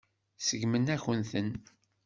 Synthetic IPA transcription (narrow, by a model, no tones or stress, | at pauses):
səɡmənæçənθən